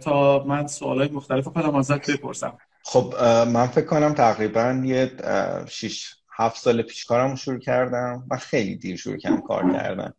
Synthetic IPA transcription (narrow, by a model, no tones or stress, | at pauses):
t̪ʰɒːmænso̰ːlɒːjemoxt̪ælefikonæmæzæt̪be̞pʰo̰ɾsæ̰m | χobmænfe̞kʰːo̞næmt̪ʰæɣɾiːbænjeʃiʃ | hæft̪sɒːlepʰi̥ːʃkʰɒːɾæmoʃuɾuːcʰæɾd̪æmmæxe̞jlḭd̪iːɾʃṵɾṵːcʰæmkʰɒ̰ːɾcʰæ̰ɾd̪æ̰m